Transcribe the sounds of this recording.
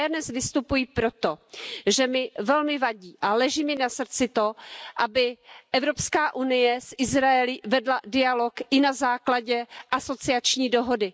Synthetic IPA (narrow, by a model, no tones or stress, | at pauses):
adnɛsvɪst̪upujipɾo̞t̪o̞ʒɛmɪvɛlmɪvaɟiːʔalɛʒiːmɪnasr̩t͡sɪt̪o̞ʔabɪʔɛvɾo̞pskaːʔunɪjɛsʔɪzɾaɛlɪvɛdladɪalo̞kʔɪnazaːklaɟɛʔaso̞t͡sɪat͡ʃɲiːdo̞ɦo̞dɪ